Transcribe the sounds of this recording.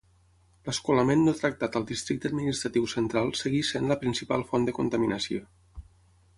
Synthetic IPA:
ləskuləmenːot̪ɾək̚t̪at̪əlˠd̪ist̪ɾik̚t̪əd̪̚minist̪ɾət̪iwsənt̪ɾalˠsəɣisenləpɾinsipalˠfɔnd̪əkunt̪əminəsio

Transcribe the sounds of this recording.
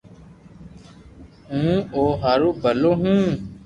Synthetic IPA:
ɦũːoːɦaːɾoːbʱəloːɦũː

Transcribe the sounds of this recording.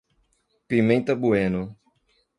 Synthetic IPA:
pimẽnt̪ɐbuẽnʊ

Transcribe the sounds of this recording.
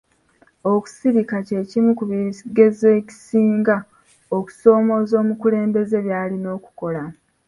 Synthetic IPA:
o̞ku̥siɾikace̞ːcimukuβiɡe̞ze̞ːci̥siːŋɡa | oku̥so̞ːmo̞ːzo̞ːmukule̞ːmbe̞ze̞βjaːlino̞ːku̥ko̞la

